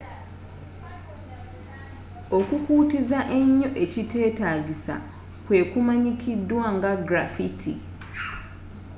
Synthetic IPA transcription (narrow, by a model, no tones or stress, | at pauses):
okukuːtizaʔe̞ɲːo̞ʔe̞cite̞ːtaɡisa̰ | kwe̞ːkumaɲikʰidwaŋɡaɡɾafitʰḭ